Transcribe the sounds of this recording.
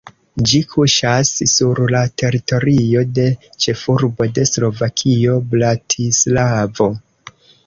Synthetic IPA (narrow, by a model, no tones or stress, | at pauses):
d͡ʒikʰuʃassuɾlate̞ɾito̞ɾio̞de̞t͡ʃe̞fuɾbo̞de̞slo̞vakʰio̞blatʰislavo̞